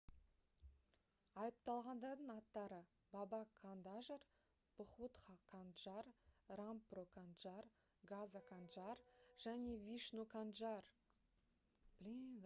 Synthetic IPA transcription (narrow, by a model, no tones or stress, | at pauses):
ɑjəp̚t̪ɑlˠʁɑnd̪ɑɾd̪əɴɑt̪ːɑɾə | bɑbɑkʰand̪aʒəɾ | b̥ʊχut̪χɑkʰanʒɑrramprokʰanʒar | ɡazakʰanʒarʒ̥æne̞viʃnukʰanʒar